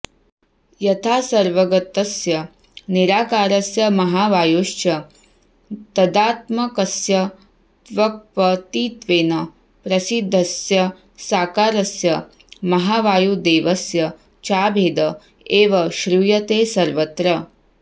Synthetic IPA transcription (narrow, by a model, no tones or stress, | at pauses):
jɐt̪ʰaːsɐɾʋɐɡɐt̪ɐsjɐ | niɾaːkaːɾɐsjɐmɐɦaːʋaːjuːʃt͡ʃɐ | t̪ɐd̪aːt̪mɐkɐsjɐ | t̪ʋɐk̚pɐt̪iːt̪ʋeːnɐ | pɾɐsid̪ʱːɐsjɐ | saːkaːɾɐsjɐ | mɐɦaːʋaːjud̪eːʋɐsjɐ | t͡ʃaːbʱeːd̪ɐ | eːʋɐʃɾujɐt̪eːsɐɾʋɐt̪ɾɐ